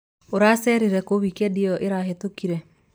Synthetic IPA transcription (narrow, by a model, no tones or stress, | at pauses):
oɾasɛɾeɾɛkoβikɛdiɔʔeɾahetokiɾɛ